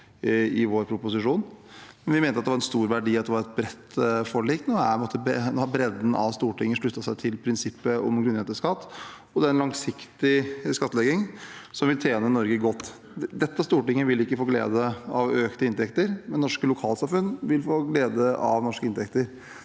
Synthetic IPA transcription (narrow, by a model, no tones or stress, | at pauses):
ɪʋoːɾpʰɾʊpʊs̬ɪʂuːnmɛnʋɪmeːnəɑt̪d̪ɛʋɑɾɛnst̪uːɾʋæɖiːɑt̪d̪ɛʋɑɾɛt̪̚bɾɛt̪ːfɔɭiːkt̪noːæ̰mɔt̪ːəbnoːhɑɾbɾɛd̪n̩ʔɑ̰ʋst̪uːʈɪŋːəʂɭʉt̪ːɑsæɪt̪ʰɪlpʰɾɪnsɪpːəɔ̰mɡɾʉnheːt̪əʂkɑt̪ː | ɔd̪æɛɾɛnlɑŋsɪkt̪ɪskɑt̪ːəlɛɡɪŋsɔmʋɪlt̪ʰjeːnənɔɾɡəɡɔt̪ː | d̪ɛt̪ːəst̪uːʈɪŋːəʋɪlɪkːəfoːɡlḛːd̪əɑʋøːkt̪əɪnt̪ʰɛkt̪əɾmɛnnɔʂkəlʊkʰɑːlsɑmfʉnːʋɪlfoːɡleːd̪əʔɑʋnɔʂkəɪnt̪ʰɛkt̪əɾ